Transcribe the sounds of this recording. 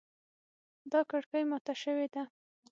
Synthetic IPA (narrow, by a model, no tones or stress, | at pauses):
d̪ɑkaɽkəjmɑt̪aʃəwed̪a